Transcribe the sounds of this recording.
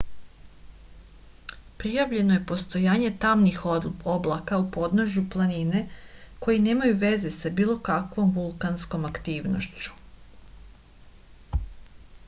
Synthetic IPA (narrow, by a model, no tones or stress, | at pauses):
pɾijaʋʎe̞no̞je̞po̞st̪o̞jaːɲe̞t̪amnixoblˠakaupo̞d̪noʒjuplˠanine̞ko̞jine̞ːmajuʋe̞ze̞sabiːlo̞kakʋo̞mʋulˠkansko̞makt̪iːʋno̰ʃt͡ɕu̥